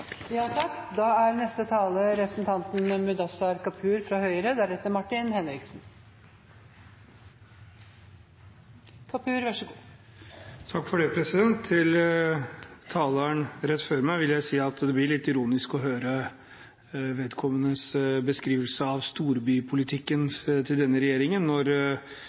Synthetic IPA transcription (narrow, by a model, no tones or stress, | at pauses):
jɑːt̪ʰɑkːd̪ɑːæɾnɛst̪ət̪ʰɑːləɾɛpɾəsnt̪ʰɑnt̪n̩mʉd̪ɑsɑɾkɑpʰʉːɾfɾɑhœʏəɾəd̪æɾɛt̪ːəmɑʈːɪnhɛnɾɪksn | kʰɑpʰʉːɾʋæʂəɡ | t̪ʰɑkːfɔɖepʰɾɛsɪd̪ɛnt̪ʰːɪl | t̪ʰɑːləɳɾɛt̪ːføːɾmæɪʋɪljæɪsiːɑt̪d̪ɛblɪɭɪt̪ːɪɾuːnɪskɔɦøːɾə | ʋeːd̪kʰɔmːənəsbəskɾiːʋəlsəɑʋst̪uːɾbyːpʰʊlɪt̪ʰɪkːənt̪ʰɪld̪ɛnːəɾɛjeːɾɪŋənːɔɾ